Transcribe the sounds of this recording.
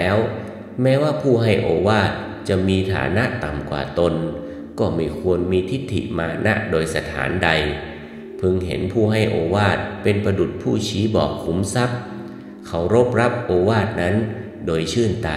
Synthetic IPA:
ɛː˦˥w | mɛː˦˥waː˥˩pʰuː˥˩ɦa˥˩jʔoː˧waː˥˩t̪̚ | t͡ɕa˨˩ʔmiː˧t̪ʰa̰ː˩˦na˦˥ʔt̪a˨˩mkwa̰ː˨˩t̪o˧n | kɔː˥˩ma˥˩jkʰu˧ənmiː˧t̪ʰi˦˥t̪ʰːḭ˨˩ʔmaː˧na̰˦˥ʔdoː˧jsa˧t̪ʰa̰ː˩˦nda˧j | pʰɯ˧ŋɦḛ˩˦npʰuː˥˩ɦa˥˩jʔoː˧waː˥˩t̪̚pe˧npɾa˧du˨˩t̪̚pʰuː˥˩t͡ɕʰiː˦˥bɔ̰ː˨˩k̚ʰːu˩˦msa˦˥p̚ | kʰa˩˦˥wɾo˦˥p̚ɾa˦˥p̚ʔoː˧waː˥˩t̪̚na˦˥n | doː˧jt͡ɕʰɯː˥˩nt̪aː˧

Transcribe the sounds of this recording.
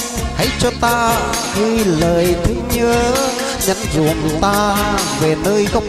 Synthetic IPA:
ha̰˧˥˦jt͡ɕɔ˧t̪aː˧ | ɣɨ˧jləː˨˩jt̪ʰɨ˨˦ɲɨ˧ə | ɲə̰˧˥nzṵ˨˩˨əŋt̪aː˧ve˨˩nəː˧jkə˨˦ŋ͡m

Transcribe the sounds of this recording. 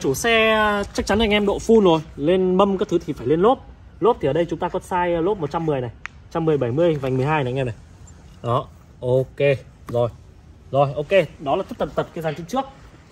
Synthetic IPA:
t͡ɕu˧˩sɛ˧t͡ɕa˦˥k̚t͡ɕa˨˦nʔa˧jŋ̟ʔɛ˧mɗo̰˧˨fu˧nzo˨˩jle˧nɓə˧mkaː˨˦˥kt̪ʰɨ˨˦t̪ʰi˨˩faː˧˩jle˧nlo˦˥p̚ | lo˦˥p̪̚ʰi˨˩əː˨˩ɗə˧jt͡ɕʊ˨˦ŋ͡mt̪aː˧kɔ˨˦saː˧jlo˦˥p̚mo˨˩t̚t͡ɕa˧mːɨ˨˩əjna˨˩jt͡ɕa˧mːɨ˨˩əjɓə˧˩jmɨ˧əjva˨˩ŋ̟m˨˩jɦaː˧jn˨˧ŋɛ˧na˨˩j | ɗɔ˨˦ | ʔo˧ke˧˩ | zo˨˩j | zo˨˩jʔo˧ke˧ɗɔ˨˦laː˨˩ə˦˥t̪ʰə˨˩p̚t̪ə˨˩p̚kaː˨˧˦zaː˧˩nt͡ɕi˧˦ŋt͡ɕɨ˦˥ək̚

